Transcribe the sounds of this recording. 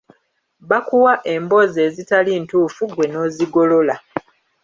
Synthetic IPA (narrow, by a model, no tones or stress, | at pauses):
βakuwaʔe̞mbo̞ze̞ːzitaliːntuːfuɡwe̞no̞ːziɡo̞lo̞la